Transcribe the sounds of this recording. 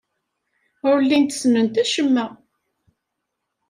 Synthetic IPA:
ʊɾlːint̪ə̥snənt̪æʃəmːæ

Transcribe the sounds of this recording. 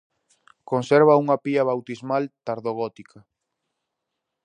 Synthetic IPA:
konseɾβ̞auŋɐpiaβ̞awt̪izmalt̪aɾðoɣ̞ɔt̪ikʰɐ

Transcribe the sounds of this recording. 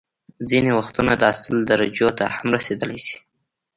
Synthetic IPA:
zinewaxt̪unad̪əasɪld̪aɾad͡ʒjot̪a̰hamɾased̪əlajsi̥

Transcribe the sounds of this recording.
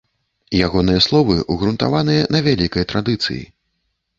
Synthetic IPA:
jaɣɔnɨjɐslˠɔvɨʔuɣɾunt̪a̰vanɨjɐnɐvʲalʲikɐjt̪ɾad̪ɨt̪sɨ̰jḭ

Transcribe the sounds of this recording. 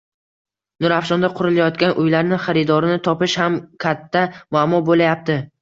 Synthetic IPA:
nʊɾafʃɒnd̪aqʰʊɾɪlajɒt̪kʲanʔʊjlaɾnɪχaɾɪd̪ɒɾɪnɪt̪ʰɒpɪʃhamkʲʰat̪ʰːamʊamɒbolajap̚t̪ʰɪ

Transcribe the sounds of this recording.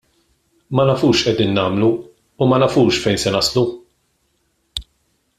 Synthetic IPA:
mɐnɐfuːʃʔɛd̪iːnːɐːmluː | mɐnɐfuːʃfɛjnsɛnɐslu

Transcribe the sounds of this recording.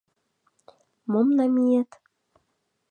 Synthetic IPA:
momnɑmijet̪

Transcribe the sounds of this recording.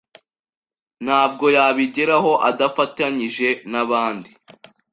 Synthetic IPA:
n̥haːb̚ɡo̞jaːβiɟeɾaɦo̞ʔadafataɲiʒe̞naβaːndi

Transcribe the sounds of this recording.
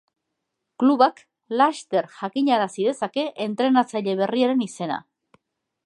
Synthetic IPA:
kluβak | last̪e̞ɾʝakiɲaɾasiðe̞sake̞ʔent̪ɾe̞nat͡saʎe̞β̞e̞riaɾe̞nise̞na̰

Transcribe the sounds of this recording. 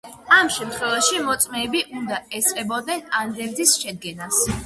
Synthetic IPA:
amʃɛmt̪ʰχwɛvaʃimɔt̪sʼmɛːbiʔund̪aɛsʼqʼɛbɔd̪nɛnand̪ɛvd̪isʃɛd̪̚ɡɛnas

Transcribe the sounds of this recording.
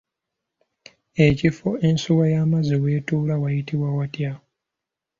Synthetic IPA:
e̞cifoensuβajamaziweːtuːlawajitiβwawatja

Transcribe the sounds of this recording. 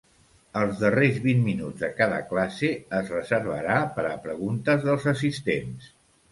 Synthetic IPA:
əlˠzðərezβinminud͡zðəkaðə̰klaseəzrəzəɾβ̞ə̰ɾapəɾəpɾəɣunt̪əzðəlˠzəs̬ist̪ens

